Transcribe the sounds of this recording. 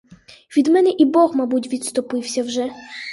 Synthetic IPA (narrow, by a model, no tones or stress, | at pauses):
ʋʲid̪mɛnɛʔibɔxmabutʲʋʲit̪st̪ɔpɪwsʲɐwʒɛ